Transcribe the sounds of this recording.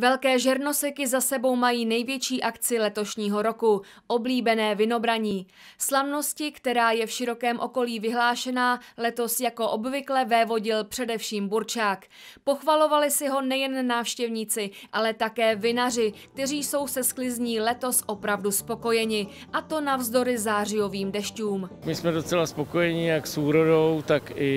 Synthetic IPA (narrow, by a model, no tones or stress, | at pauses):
vɛlkɛːʒɛɾno̞sɪkɪzasɛbo̞wmajiːnɛjvjɛt͡ʃiːʔakt͡sɪlɛt̪o̞ʃɲiːɦo̞ɾo̞ku | ʔobliːbɛnɛːvɪno̞bɾaɲiː | slavno̞scɪkt̪ɛɾaːjɛfʃɪɾo̞kɛːmʔo̞ko̞liːvɪɦlaːʃɛnaːlɛt̪o̞sjako̞ʔo̞bvɪklɛvɛːvo̞ɟɪlpr̝̥ɛdɛfʃiːmbuɾt͡ʃaːk | po̞xvalo̞valɪsɪɦo̞nɛjɛnːaːfʃcɛvɲiːt͡sɪʔalɛt̪akɛːvɪnar̝ɪk̚t̪ɛriːso̞wsɛsklɪzɲiːlɛt̪o̞sʔo̞pɾavduspo̞ko̞jɛɲɪ | ʔat̪o̞navzdo̞ɾɪzaːrɪjo̞viːmdɛʃcuːmmɪsmɛdot͡sɛlaspo̞kojɛɲɪjaksuːɾodowt̪akɪ